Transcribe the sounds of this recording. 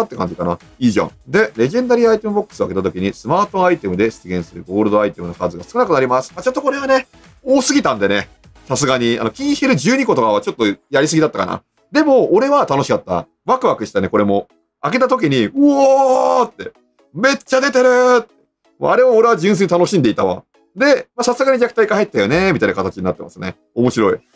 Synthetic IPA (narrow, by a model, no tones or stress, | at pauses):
at̪ːe̞kã̰ɲ̟d͡ʑikana̰ | iːʑã̰ɴd̪e̞ɾe̞ʑẽ̞nd̪aɾʲiait̪e̞mɯ̟bo̞kːɯ̥sɨoake̞t̪at̪̬o̞kʲiɲ̟isɨmaːt̪o̞ait̪e̞mɯ̟d̪e̞sɨ̥t͡sɨɡʲẽ̞ɰ̃sɨɾɯ̟ɡo̞ːɾɯd̪o̞ait̪e̞mɯ̟no̞kazɨɡasɨ̥kɯnakɯnaɾʲimasɨ̥mat͡ɕo̞t̪ːoko̞ɾe̞βane̞ | oːsɨɡʲit̪ãnd̪e̞ne̞ | sasɨɡaɲ̟ia̰no̞kʲĩɰ̃çeɾɯ̟ʑɨːɲ̟iko̞t̪o̞kaβat͡ɕo̞t̪ːojaɾʲisɨɡʲid̪at̪ːaka̰na̰ | d̪e̞mo̞ːɾe̞βat̪ano̞ɕi̥kat̪ːa̰ | βakɯβakɯ̟ɕi̥t̪ane̞ko̞ɾe̞mo̞ | ake̞t̪at̪o̞k̬ʲiɲ̟iɯat̪ːe̞ | me̞t͡ɕːad̪e̞t̪e̞ɾɯ̟t̪ːe | mo̰aɾe̞aoɾe̞βad͡ʑɨ̃s̬eɲit̪ano̞ɕĩnd̪e̞it̪aβa̰ | d̪e̞masasɨɡaɲ̟id͡ʑakɯ̟̥t̪aikahait̪ːajo̞ne̞mʲit̪aĩnakat̪at͡ɕiɲ̟inat̪ːemasɨne̞̰ | o̞mo̞ɕiɾo̞i